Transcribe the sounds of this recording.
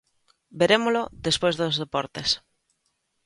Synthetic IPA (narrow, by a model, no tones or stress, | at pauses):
beɾemoloðespojzðozðepɔɾt̪es